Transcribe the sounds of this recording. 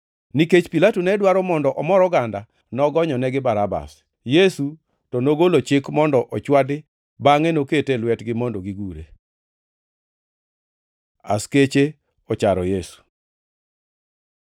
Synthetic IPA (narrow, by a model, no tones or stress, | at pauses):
niket͡ʃpilatunɛdwaɾɔmɔndɔʔɔmɔɾɔɡanda | nɔɡɔɲɔnɛɡɪbaɾaba̰s | jesu | tɔnoɡolot͡ʃɪkmɔndɔʔɔt͡ʃwadɪ | baŋɛnoketelwɛtɡɪmondɔɡiɡuɾḛ | a̰sket͡ʃe | ɔt͡ʃaɾɔjesu̥